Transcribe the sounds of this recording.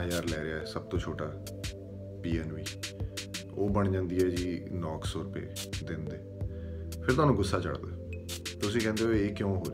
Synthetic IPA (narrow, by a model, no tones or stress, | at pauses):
jaːɾlɛːɾɪaːɛːsəb̚t̪õːt͡ʃʰoːʈaː | piːɛːnʋiː | oːbəɳd͡ʒãːnd̪iːɛːd͡ʒiːnɔːksɔːɾʊpḛːd̪ɪnd̪eː | pʰɪɾt̪ʊaːnũːɡʊsːaːt͡ʃə̰ɽd̪aːt̪ʊsĩːkɛ̃ːnd̪eoeːkjõːɦoːɾ